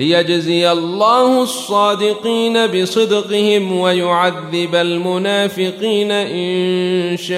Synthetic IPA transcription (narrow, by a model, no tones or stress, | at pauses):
lɪjad͡ʒzɪjalˤːaːhʊsˤːɑːd̪ɪqiːnabɪsˤɨd̪qɪhɪmwajʊʕaðːɪbalmʊnaːfɪqiːnaʔɪnʃaːʔ